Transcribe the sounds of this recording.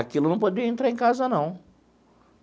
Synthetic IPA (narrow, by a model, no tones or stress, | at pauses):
akilʊnɐ̃w̃pod̪eɾiɐẽnt̪ɾaɾẽkazɐnɐ̃w̃